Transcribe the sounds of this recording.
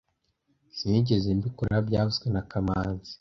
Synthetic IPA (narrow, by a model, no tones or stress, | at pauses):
siɟezembikuɾabjaːβuzɡwenakamaːnzi̥